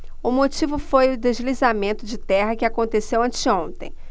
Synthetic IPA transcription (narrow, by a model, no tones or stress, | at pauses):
ʊmot͡ʃivʊfojʊd̪eʒlizamẽnt̪ʊd͡ʒɪt̪ɛɦɐkɪakõnt̪esewɐ̃nt͡ʃɪõnt̪ḛ̃j̃